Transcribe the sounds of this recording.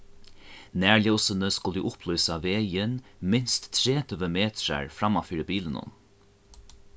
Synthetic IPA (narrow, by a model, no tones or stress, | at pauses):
næːɹljɔwsənəskʊlɪʔʊplœɥsaʋeːjɪnmɪnst̪ʰːɾeːt̪ʰʏʋəmeːt̪ɾa̰ɹfɾamafiːɾbiːlənʊ̰n